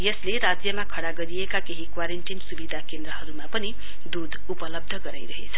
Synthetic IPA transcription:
jʌsleɾad͡zjʌmakʰʌɽaɡʌɾiekakeɦikwaɾeɳʈinsubid̪ʱakend̪ɾʌɦʌɾumapʌni | d̪ud̪ʱupʌlʌb̚d̪ʱʌɡʌɾajɾʌɦḛt͡sʰʌ̥

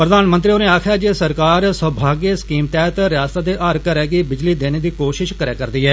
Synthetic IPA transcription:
pɾəd̪aːnmə̃nt̪ɾioːneːaːkʰjaːd͡ʒeːsəɾkaːɾsəbʱaːɡeːskiːmt̪ɛːt̪ɾɪjaːst̪aːd̪eːʔaːɾkəɾɛːɡiːbɪd͡ʒliːd̪eːneːd̪iːkoːʃɪʃkəɾaːkəɾd̪iːɦɛː

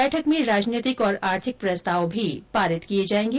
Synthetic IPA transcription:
ɛːʈʰəkmẽɾaːd͡ʒniːt̪ɪkɔːɾaːɾt̪ʰɪk̚pɾɐst̪ʰaːʋbʱipaːɾɪt̪kied͡ʒaːẽːŋɡ

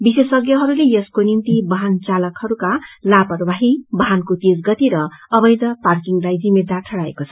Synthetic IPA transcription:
bisesʌɡjʌɦʌɾulejʌskonimt̪ibʌɦant͡salʌkhʌɾukalapʌɾbʱaɦibʌɦankot̪esɡʌt̪iɾʌʌbʌjd̪ʌparkiŋlajd͡zimed̪aʈʰʌɽaḛkot͡sʰʌ̥

